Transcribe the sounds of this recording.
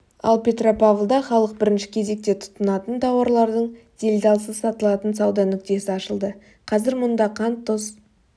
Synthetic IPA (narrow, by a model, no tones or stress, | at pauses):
ɑ̰lˠpʲe̞t̪ro̞pavlˠd̪ɑχɑlˠəq̚bɪɾɪnʃɪ̥kʲʰe̞ze̞k̚t̪e̞t̪ʰʊ̥t̪ːənɑt̪ənt̪ʰɑwɑɾlˠɑɾd̪əɴd̪̥e̞lʲd̪ɑlˠsəsɑt̪əlˠɑt̪ənsɑwd̪ɑnʏk̚t̪e̞sɪɑʃəlˠd̪ə | qʰɑzɪɾmʊnd̪ɑqʰɑnt̪ʰːʊs